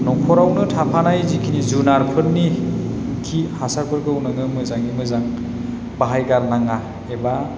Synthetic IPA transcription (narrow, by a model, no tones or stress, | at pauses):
nɔpʰɔɾawnɯtʰapʰanajzikʰinizunaɾpʰɯɾni | kʰihasaɾpʰɯɾkɯwnɯŋɯmɯzaŋimɯzaŋ | baɦajɡaɾlaŋa | eba